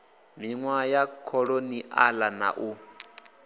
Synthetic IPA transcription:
miŋwajakʰɔɺoniʔalana̰ʔu

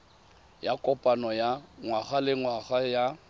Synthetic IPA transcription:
jakʼɔpʼanɔjaŋwaɣalɪŋwaχaja

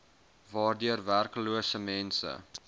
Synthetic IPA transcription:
vɑːrdyərværkluəsəmɛnsə̰

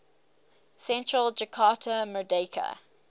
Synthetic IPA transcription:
sɛ̃ntɹəld͡ʒəkʰɑːtʰəmədeɪkʰə̰

